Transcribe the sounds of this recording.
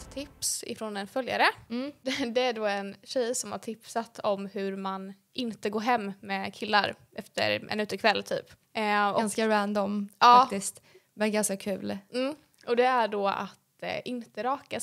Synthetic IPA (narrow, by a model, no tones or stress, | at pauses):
t̪ʰɪpsɪ̰fɾonɛnfœlja̰ɾə | d̪ɛæɖoːɛnɕɛjsɔmhaʈʰɪpsat̪ʰɔmɦɵɾman | ʔɪnt̪əɡoːɾɦɛmːmɛkʰɪlːaɾ | ʔɛft̪ə̰ɾʔɛ̰nʉ̟ːt̪ːɪkʰvɛlːt̪ʰy̰ːp | ɔnskaɾand̪ɔmɑːakːt̪ɪst̪ | mɛnɡanskakʰʉ̟̰ːlm̩ː | ʔɔd̪ɛæɖɔa̰t̪ʔɪnt̪əɾɑːka